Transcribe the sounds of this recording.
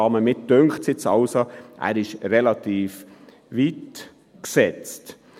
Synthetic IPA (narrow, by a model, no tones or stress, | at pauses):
ɑːməmɪt̚d̥øŋkχsɪt͡sɑlsoʔæ̰ːɾɪʃɾɛlɑt̪iːf | ʋit | ksɛt͡st